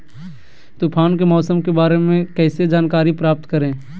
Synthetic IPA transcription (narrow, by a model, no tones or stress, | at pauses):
t̪uːpʰaːnkemɔːsəmkebaːɾemẽkɛːsed͡ʒaːnkaːɾipɾaːp̚t̪kəɾẽː